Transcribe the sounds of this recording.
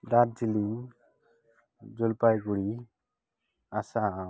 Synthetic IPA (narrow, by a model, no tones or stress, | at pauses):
daɾ̚d͡ʒili | d͡ʒɔlpajɡuɽi | asa